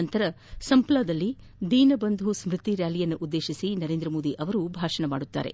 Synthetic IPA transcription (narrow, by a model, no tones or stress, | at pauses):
ɐnt̪ɐɾɐ | sɐmplad̪ɐlːi | d̪ʱiːnɐbɐnd̪ʱusmɾɨt̪iɾjaːlijɐnːuʔud̪ːe̞ːʃisinɐɾe̞ːnd̪ɾɐmoːd̪iʔɐʋɐɾubʱaːʂɐɳɐma̰ːɽut̪ːa̰ːɾe̞̰